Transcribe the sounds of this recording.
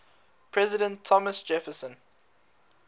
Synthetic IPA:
pʰɹɛzɪdə̃ntʰːɔməsd͡ʒɛfəsə̃n

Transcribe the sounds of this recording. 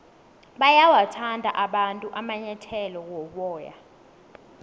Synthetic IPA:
ɓajawatʰandʱa̰ʔaɓantʼuʔamaɲɛtʰɛlɔwɔɓɔːja̰

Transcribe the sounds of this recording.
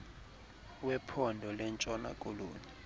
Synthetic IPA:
wɛpʰɔndʱɔlɛnt͡ʃʼɔna̰kʼolṵːni

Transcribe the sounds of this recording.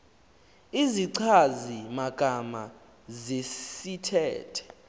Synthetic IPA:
iziǀʰazimaɡ̥ʱama | zesitʰɛ̰ːtʰɛ̥

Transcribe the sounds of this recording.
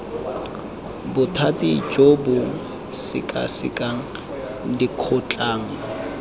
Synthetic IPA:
bʊtʰatʼɪi̥d͡ʒʼobʊ | sɪ̰kʼa̰sɪ̰kʼa | dikʰʊt͡ɬʼaːŋ̩

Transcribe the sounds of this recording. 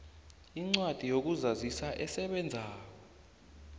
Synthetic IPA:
iŋ͡ǀwad̥ʱijok̬uzazisaʔɛsɛɓɛnd͡zʱaːɔ

